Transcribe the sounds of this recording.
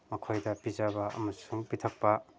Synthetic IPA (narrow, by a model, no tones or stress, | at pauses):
mɐkʰojdɐpizabɐʔɐ̰mɐsuŋpitʰɐk̚pɐ